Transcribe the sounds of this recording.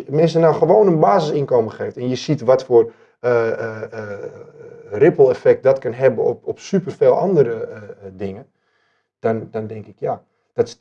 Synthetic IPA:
mɪnsənawxəʋoːnənbaːzəsɪnkoːməχeːftɛnjəsitʋɔtfoːr | rɪpəl̩ˠɛfɛk̚t̚dɔtkənɦɛbənɔpɔpsypərfeːlˠʔɔ̰ndəɾədɪŋə | d̥ɔndɔndɛŋkɪkja | d̥ɔts

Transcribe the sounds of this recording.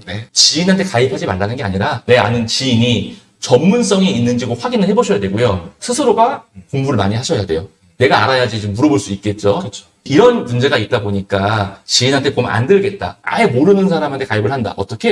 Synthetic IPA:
net͡ɕiinɦantʰekaipʰad͡ʑimaɭːanɯnɡe̞aɲiɾane̞a̰nɯnt͡ɕiːɲi | t͡ɕʌmːuns̬͈ʌŋiinːɯnd͡ʑiɡoɸwaɡinɯɭheboɕʰʌjadwe̞ɡojosʰɯsʰɯɾoɡakoŋbuɾɯɭmaɲihaɕʰʌjade̞jo | ne̞ɡaːɾajad͡ʑid͡ʑomːuɾʌboɭs͈uik̚k͈e̞t̚t͡ɕ͈oɯt͡ɕʰo̥ | iɾʌnmund͡ʑe̞ɡait̚t͈aboɲik͈at͡ɕiinɦantʰe̞koma̰ndɯɭɡe̞t̚t͈a̰a̰e̞moɾɯnɯnsʰaɾamɦantʰe̞kaibɯɭhanda̰ʔʌt͈ʌkʰe̞

